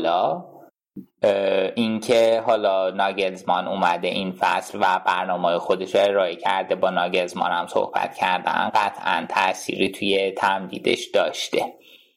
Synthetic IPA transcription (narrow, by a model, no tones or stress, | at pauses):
lɒ | ʔincʰeɦɒːlɒːnɒːɟelzmɒnumæd̪e̞ʔinfæslvæbæɾnɒːmɒːjexo̞d̪e̞ʃoe̞ɾɒːecʰæɾd̪e̞bɒːnɒːɟelzmɒ̰næmso̰hb̥æ̰t̪cʰæɾd̪æ̰nɢæt̪ʰʔæ̰nt̪ʰæ̰ʔsḭːɾiːt̪ʰujet̪ʰæmd̪ḭːd̪e̞̰ʃd̪̥ɒːʃt̪e̞